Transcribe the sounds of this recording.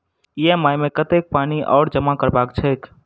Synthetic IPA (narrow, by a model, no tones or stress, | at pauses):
iemaːjmẽkət̪ek̚paːniʔɔ̰ːɽd͡ʒəmakəɾbaːkt͡ʃʰək